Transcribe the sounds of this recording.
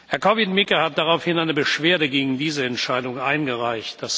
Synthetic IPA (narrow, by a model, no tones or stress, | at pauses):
hɛɐkʰɔvɪtmɪkəhat̚d̥aʁaʊfhɪnaɪnəbəʃv̥eːɐdəɡeːɡŋ̩diːzəɛntʃaɪdʊŋʔaɪnɡəʁaɪçt̚d̥as